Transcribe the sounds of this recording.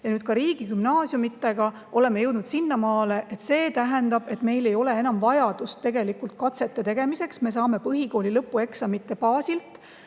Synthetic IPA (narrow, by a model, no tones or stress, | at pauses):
jɑnyːd̪̥̚kɑɾiːɡ̥ikymnɑːsjumit̪ːˑeɡ̥ɑ | ʔo̞lemːejɤwd̪nud̪sinːɑmɑːle̞ʔet̪se̞ːt̪æɦend̪ɑb̥e̞t̪me̞jle̞jo̞le̞e̞nɑmvɑjɑd̪̥ust̪ːeɡe̞likult̪̚kɑt̪se̞t̪ˑːet̪e̞ɡ̥e̞mise̞ksme̞s̬ɑːme̞pɤɦiko̞ːlilɤpːue̞ksɑmit̪ːe̞pɑːsilt̪ˑ